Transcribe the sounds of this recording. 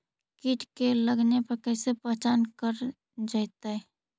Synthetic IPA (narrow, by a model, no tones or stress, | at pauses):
kiːʈkeləɡnepəɾkɛːsepɛɦt͡ʃaːnkəɾ | d͡ʒajt̪aɦɛ